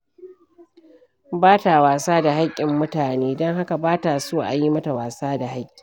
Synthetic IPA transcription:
baː˦ta˨waː˨saː˦da˨ɦa˦kʲʼːɪ˨mːʊ˦taː˨neː˦dɔ˦ŋɦa˦ka˨baː˦ta˨soː˦ʔa̰˨ji˦mɐ˦ta˨waː˨saː˦da˨ɦa˦kʲʼːɪ̥˨

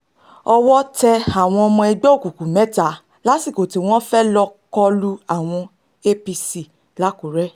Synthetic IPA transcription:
ɔ˧wɔ˦tɛ˧a˨w̃ɔ̃˧ɔ˧mɔ̃˧ɛ˧ɡ͡bɔ˦o˦˨ku˨ku˨mɛ̃˨˦ta˨˦ | la˨˦si˦˨ko˨ti˨˦w̃ɔ̃˦fɛ˦lɔ˧kɔ˧lu˦a˦˨w̃ɔ̃˧ | e˦pi˧si˦˨ | la˨˦ko˨ɾɛ˦

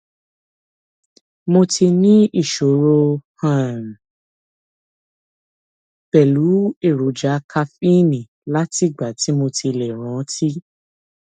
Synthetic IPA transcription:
mo˧ti˧nĩ˦i˦˨ʃo˨ɾo˧hã˦˨n̩˨ | b̥ɛ˨lu˨˦e˦˨ɾo˨d͡ʒa˨˦kʰa˧fi˦nĩ˨ | la˦ti˦˨ɡ͡ba˨ti˨˦mo˧ti˧lɛ˨ɾ̃ã˨˦ti˦

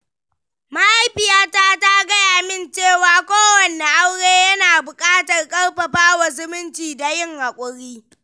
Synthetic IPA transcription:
ma˦ʔa˦jɸɪ˨jaː˦ta˦ta˦ɡɐ˦jaː˨mɪ˦˨nt͡ʃeː˦˨waː˨kʷoː˦wɐ˨ne˨ʔa˦wɽeː˦jɐ˦naː˨bʊ˨kʼaː˦tɐ˨rkʼɐ˦rɸɐ˨ɸaː˦wa˨zɪ˦mɪ˦nt͡ʃiː˨da˨jɪ˦ŋha˨kʷʼʊ˨ɽiː˦

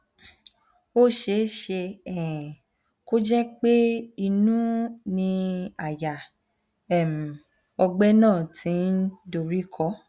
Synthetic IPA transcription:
o˦ʃe˧˦ʃe˧ɛ̃˨ | ko˦d͡ʒɛ˦k͡pe˦i˧nũ˦nĩ˧a˨ja˨ | ɛ˨m̩˨ | ɔ˧ɡ͡bɛ˦nãː˦˨tʰĩ˨˦n̩˦do˨ɾi˦kʰɔ˦

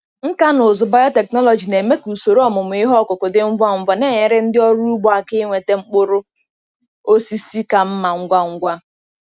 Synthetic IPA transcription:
ŋ̩˦ka˦nʊ˨zʊ˨ba˦jɔ˦te˨knɔ˦lɔ˨d͡ʒi˨ne˨me˦ku˨so˨ɾo˦ɔ˦mʊ˨mʊ˨i˦ɦɔ˦kʊ˨kʊ˨dɪ˦ŋ͡m̩˦ɡa˦˨ŋ̩˨vɔ˨ne˦˨ɲe˨ɾɪ˦n̩˦dɪ˦ɔ˦ɾu˦u˦ɡ͡bɔ˦˨a˨kɪ˦ŋʷe˨te˦ŋ͡m̩˦k͡pʊ˦ɾʊ˦ | o˦si˦si˦ka˨m̩˦ma˨ŋ̩˦ɡʷa˦ŋ̩˦ɡʷa˦

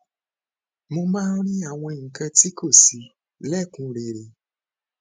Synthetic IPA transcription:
mo˧mãː˦ɾ̃ĩ˦a˦˨w̃ɔ̃˧ŋ̩˨kã˧ti˦ko˦˨si˨˧ | lɛ˦˨kũ˨˧˦ɾe˨ɾe˨

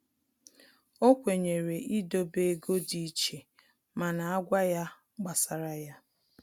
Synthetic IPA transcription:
o˦kʷe˨ɲe˨ɾe˨ʔi˦do˦be˦ɡo˦di˦t͡ʃe˨ | ma˨na˨a˦ɡʷa˦ja˦ | ɡ͡ba˨sa˨ɾa˨ja˦

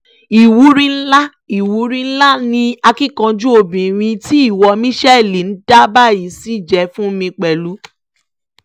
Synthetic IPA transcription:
i˨wu˨˦ɾĩ˦n̩˦la˦ | i˨wu˨˦ɾĩ˦n̩˦la˦nĩ˧a˧ki˦kã˧d͡ʒu˦o˧˨bĩ˨ɾ̃ĩ˧ti˦i˦˨wɔ˧mĩ˦ʃɛ˦˨li˨n̩˦d̥a˦ba˦˨ji˨˦si˦˨d͡ʒɛ˧fũ˦mĩ˧k͡pɛ˨lu˨˦

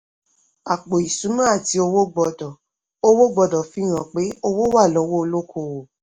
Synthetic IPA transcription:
a˨k͡po˨i˨sũ˨˦nũ˦a˦˨ti˧˦o˧wo˦ɡ͡bɔ˧dɔ˨ | o˧wo˦ɡ͡bɔ˧dɔ˨fĩ˦˨ɾ̃ã˨k͡pe˨˦o˧wo˦wa˦˨lɔ˨˦wo˦o˧lo˦kʰo˧˨o˨

